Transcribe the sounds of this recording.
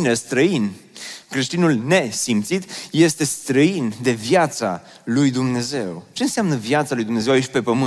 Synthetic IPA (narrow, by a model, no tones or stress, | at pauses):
nest̪ɾəin | kɾe̞ʃt̪inulne̞simt̪sit̪je̞st̪e̞st̪ɾəind̪e̞vjat̪sa̰ | lujd̪umne̞ze̞wt͡ʃe̞ɨnseamnəvjat̪salujd̪umne̞zewait͡ʃʲpe̞pəmɨ